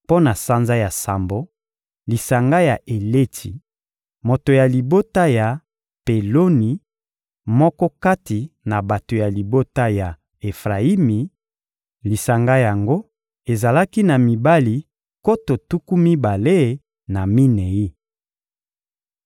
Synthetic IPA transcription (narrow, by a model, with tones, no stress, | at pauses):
po˦na˨sa˦nza˦ja˨sa˨mbo˦ | li˨sa˨ŋɡa˦ja˨ʔe˨le˦tʰi˨ | mo˨to˨ja˨li˨bo˦ta˦ja˨ | pe˨lo˦ni˨ | mɔ˦kɔ˦ka˦ti˨na˨ba˨to˨ja˨li˨bo˦ta˦ja˨ | e˨fʁa˨i˦mi˨ | li˨sa˨ŋɡa˦ja˨ŋɡo˦ | e˨za˨la˦ki˦na˨mi˨ba˦li˨ | ko˦to˨tu˦ku˦mi˦ba˨le˦˨ | na˨mi˦ne˨i˦